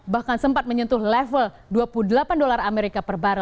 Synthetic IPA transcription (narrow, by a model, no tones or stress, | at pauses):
bahkansəmpat̪̚məɲunt̪uhlɛfəl | duapuludəlapandolarameɾikapərbaɾə